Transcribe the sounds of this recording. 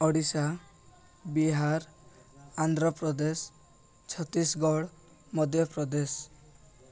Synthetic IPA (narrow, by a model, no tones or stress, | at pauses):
ɔɽisa | biɦaɾ | and̪ʱɾɔpɾɔd̪es | t͡ʃʰɔt̪isɡɔɽ | mɔd̪ʱjɔpɾɔd̪es